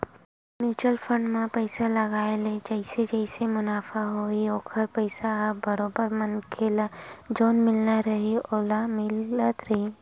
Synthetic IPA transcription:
miːt͡ʃəlpʰə̃ɳɖmãpəɪsalɐɡaːeled͡ʒɐɪsed͡ʒəɪsemʊnaːfaɦoioːkʰəɾpəɪsabɐɾoːbəɾmɐnkʰelad͡ʒoːnmɪlnaɾɐɦioːlamɪlət̪ɾɐɦiː

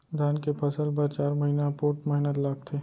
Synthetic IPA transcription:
d̪ʱaːnkepʰɐsəlbɐɾt͡ʃaːɾmɐɦiːnapoːʈmɛɦnət̪laːɡ̚t̪ʰeː

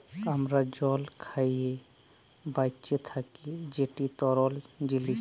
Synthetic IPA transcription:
əmɾad͡ʒɔlkʰaie | bajt͡ʃet̪ʰakid͡ʒeʈit̪ɔɾɔl | d͡ʒili

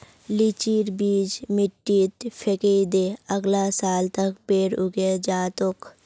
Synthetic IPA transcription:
lit͡ʃiːɾbiːd͡ʒmɪʈːit̪pʰeked̪eːəɡlasaːlt̪əkpeːɾʊɡed͡ʒaːt̪ok

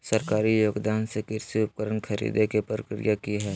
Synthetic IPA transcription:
səɾkaːɾijoːɡd̪aːnsekɪɾsiʊp̚kəɾənkʰɐɾḭːd̪ekepɾɾəkɾɪ̰jakiɦɛː

